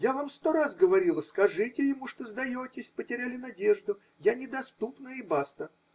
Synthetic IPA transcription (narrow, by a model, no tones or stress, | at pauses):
javamst̪o̞ɾazɡəvɐɾʲilˠəskɐʐɨtʲɪjɪmuʂt̪ozd̪ɐjotʲɪsʲpətʲɪɾʲalʲɪnɐdʲe̞ʐd̪ʊ | janʲɪd̪ɐst̪upnəɪbast̪ə